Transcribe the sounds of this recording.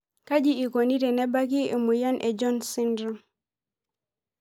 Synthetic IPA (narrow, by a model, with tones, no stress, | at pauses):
ka˦d͡ʒi˦i˨ko˨ni˦ɾɛ˨nɛ˦ba˦k̬i˦e˨mu˨ja˦nʔe˨d͡ʒɔ˦nsi˦ndɾɔ˦